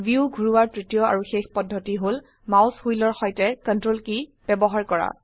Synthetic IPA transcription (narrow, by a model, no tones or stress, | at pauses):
biuɡʱuɹuwaɹtɹitijɔa̰ɹuxexpɔdʱːɔtiɦol | mawshujlɔɹxɔjtɛkɔntɹolkib̥ɛbɔɦaɹkɔɹa̰